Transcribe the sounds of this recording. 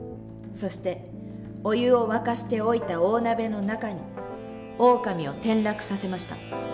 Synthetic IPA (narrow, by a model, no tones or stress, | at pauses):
so̞ɕi̥t̪e̞ | o̞jɯ̟o̞βakaɕi̥t̪e̞o̞it̪ao̞ːnabe̞no̞nakaɲ̟i | o̞ːkamʲio̞t̪ẽ̞nɾakɯ̟̥sase̞maɕi̥t̪a̰